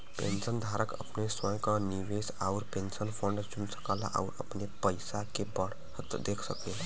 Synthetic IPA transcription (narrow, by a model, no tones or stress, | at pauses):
pḛ̃nsənd̪ʱaːɾəkə̰pneswə̃j̃kaniʋeːsaʊɾpẽnsənpʰə̃ɳɖd͡ʒunsə̥kala̰ʔa̰ʊɾəpnepəɪsakebəɽ̤ | hət̪d̪eːkʰsəkẽ